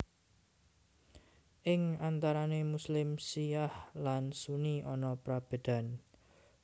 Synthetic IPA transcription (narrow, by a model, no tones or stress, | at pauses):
ʔɪŋant̪aɾanemuslɪmsijahlansuniʔɔnɔpɾab̥e̤d̪̥a̤n